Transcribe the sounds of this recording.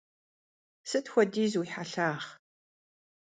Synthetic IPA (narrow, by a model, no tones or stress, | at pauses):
sɨtxʷɔdiːzwiħaɬaːχ